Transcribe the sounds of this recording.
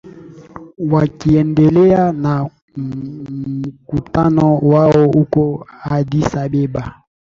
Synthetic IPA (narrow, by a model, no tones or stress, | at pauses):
wakiɛndɛlɛana | mukutanɔwaɔukɔadisabeba